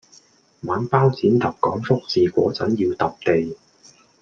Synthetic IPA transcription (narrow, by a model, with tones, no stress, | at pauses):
maː˨˥npaː˥wt͡siː˨˥nt̪ɐ˨p̚kɔ̰ː˨˥ŋfʊ˥k̚siː˨kʷɔ̰ː˨˥t͡sɐ̰˨˥njiː˧wt̪ɐ˨p̚t̪e˨j